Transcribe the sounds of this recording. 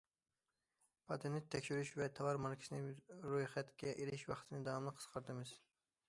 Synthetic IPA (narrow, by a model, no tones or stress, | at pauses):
pʰɑt̪ʰenɪtt̪ʰːɛkʲʃyɾyʃvɛt̪ʰɑvɑɾmɑɾkʲi̥sɨnɨɾujχɛt̪kʲʰɛʔeɾɪʃwɑχt̪ʰɨnɨd̪ɑɑmlˠəqʰːəsqʰəɾd̪ɨmɨz̥